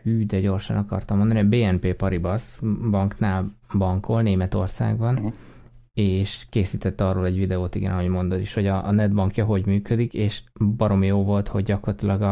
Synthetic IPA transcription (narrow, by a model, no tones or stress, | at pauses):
yːd̪ɛɟo̞rʃɒ̰nɒkɒ̰rt̪ɒmːond̪ɒnibeːɛmpeːpɒɾibɒsbɒŋknaːlbɒŋkolneːmɛt̪o̞̰rsa̰ːɡbɒn | eːʃkeːsiːt̪ɛt̪ːɒroːlɛɟvid̪ɛoːt̪ḭɡɛ̰nɒɦo̞ɟmo̞nd̪od̪iʃho̞ɟɒnɛd̪bɒŋkjɒɦo̞ɟmyːkød̪ikeːʃbɒɾo̞mijoːvo̞lt̪ho̞ɟɟɒkort̪ilɒɡɒ